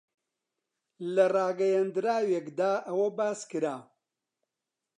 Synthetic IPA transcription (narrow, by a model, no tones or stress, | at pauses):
lɐrɑːɡɐjɐnd̪ɨɾaːwekd̪aːʔɐwɐbaːskɨɾaː